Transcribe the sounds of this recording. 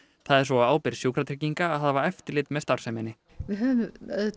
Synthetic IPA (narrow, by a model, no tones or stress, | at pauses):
θaðɛɾ̥svɔaaːwpɪɾsjoːwkʰɾat̪ʰɾɛciŋkaːðhaðavaɾɛft̪ɪɾlɪːt̪mɛðst̪aɾ̥sɛmɪnɪ | vɪɦœvɪmɛð